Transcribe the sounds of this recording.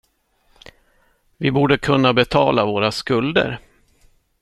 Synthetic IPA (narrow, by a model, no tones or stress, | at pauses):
vɪbuːɖəkʰɵnːabɛt̪ʰɑːlavoːɾaskɵld̪ə̰ɾ